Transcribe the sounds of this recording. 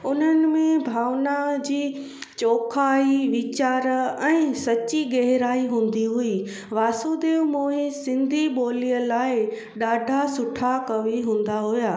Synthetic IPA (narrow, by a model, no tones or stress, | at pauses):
ʊn̤ənɪ̆mẽbʱaːʋnad͡ʑiː | t͡ɕoːkʰaːiʋɪt͡ɕaːɾɛ̃ːsɐt͡ɕiɡɛɦɪɾaːiɦũːn̆d̪iɦui | ʋaːsod̪eːʋmoːɦisɪ̃nd̪ʱiɓoːlijəlaːɪ | ɗaːɖʱasʊʈʰakɐʋiɦũːn̆d̪aɦʊjaː